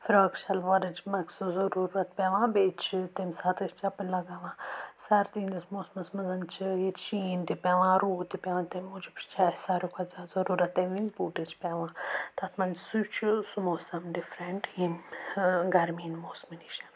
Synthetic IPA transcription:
fiɾɐkʃɐlʋɐɾɐd͡ʒmɐksuzɐɾuːɾɐt̪̚pʲeʋãːbeːt͡ʃʰit̪emʲsaːt̪ɐst͡ʃʰɐpɐnʲlɐɡaːʋãːsɐɾzĩnd̪ismoːsmɐsmɐzɐnt͡ʃʰiet͡ʃiːnt̪ipʲeʋãːɾuːt̪ipʲeʋãːt̪emʲud͡ʒipɾi̥t͡ʃʰaːsaɾukʰɐzazɐɾuːɾɐt̪ːeʋinzbuːʈet͡ʃʰpʲɛʋãːt̪ɐt̪ʰmɐnsut͡ʃʰusumoːsɐmɖifɾeɳʈin | ɡɐɾmiːnmoːsminiʃɐ

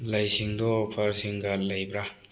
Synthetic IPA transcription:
lajsiŋdɔːpʰaɾsiŋɡalajbɾa

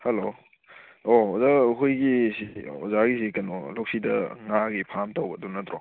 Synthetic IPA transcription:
hɐlo | ɔɔzaɦujɡisiɔzaɡisikanɔlok̚sidɐ̰ŋaɡipʰamtawbɐdɔnɐtɾɔ

